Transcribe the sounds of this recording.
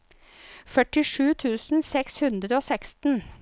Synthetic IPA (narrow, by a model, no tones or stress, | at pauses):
fœʈɪʂʉːt̪ʰʉːsn̩sɛkshʉnd̪ɾəoːsɛkst̪n̩